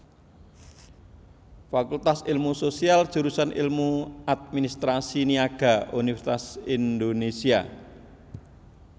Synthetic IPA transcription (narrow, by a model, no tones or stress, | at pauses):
fakult̪asilmusosiald̥ʒ̥uɾusanʔḭlmuad̪̚minist̪ɾasiniaɡ̥a̤ʔunifɛrsi̥t̪asind̪onesia̰